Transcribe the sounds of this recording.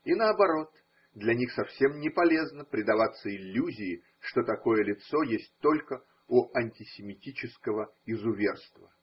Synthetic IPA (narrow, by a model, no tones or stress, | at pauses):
inəɐbɐɾo̞t̪ | d̪lʲɐnʲixsɐfsʲe̞mnʲɪpɐlʲe̞znəpɾʲɪd̪ɐvat̪sːəɪlʲːuzʲɪɪ | ʂt̪o̞t̪ɐko̞jəlʲɪt̪so̞jesʲt̚ʲt̪o̞lʲkə | uɐnʲtʲɪsʲɪmʲɪtʲit͡ɕɪskəvəɪzʊvʲerst̪və̰